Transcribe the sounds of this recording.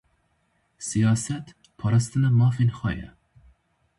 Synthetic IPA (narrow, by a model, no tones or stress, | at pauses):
sijɑːsɛt̪ | pʰɑːɾɑst̪ɨnɐmɑːfenxʷɑ̰ːjɐ̰